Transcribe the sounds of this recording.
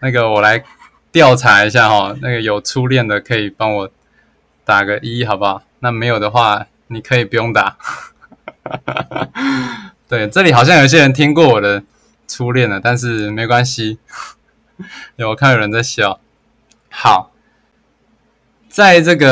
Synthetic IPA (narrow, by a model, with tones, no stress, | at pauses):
na˥˩ɡə˩wɔ˨˩la˧˦ɪ | t̪jɑ˥˨ʊʈ͡ʂʰa˧˥i˧˦ɕ̬ja˥˧xɔ˨˩na˥˩ɡə˩jo˨˩ʊʈ͡ʂʰu˦ljɛ˥˩nd̪ə˨kʰɤ˧˥i˨˩pɑ˥ŋwɔ˨˩˦ | t̪a˨˩ɡə˦ʔi˧i˥˩xɑ˨˩ʊba˨˦ | na˥˩me˧˥ɪjo˨˩ʊd̪ə˩xwa˥˩ | ni˨˩kʰɤ˧˦˥i˨˩pu˧˥jo˥˧ŋt̪a˨˩˦ | t̪we˥˩ɪʈ͡ʂɤ˥˨li˨˩xɑ˨˩ɕ̬jŋjo˨˩i˧ɕ̬jɛ˥ɻə˧˦nt̪ʰi˦ŋkwɔ˥˨wɔ˨˩d̪ə˦ | ʈ͡ʂʰu˦˥ljɛ˥˨nə˩t̪a˥˧nʂ̬ɻ̩˥˩me˧˥ɪ˧˨kwa˦nɕi˦˧˩ | wɔ˨˩kʰa˥˩jo˨˩ɻə˧˦nt͡sa˥˧ɪɕjɑ˨˩ʊ | hɑ˨˩ʊ | t͡sa˥˧ɪʈ͡ʂɤ˥˩ɡə˨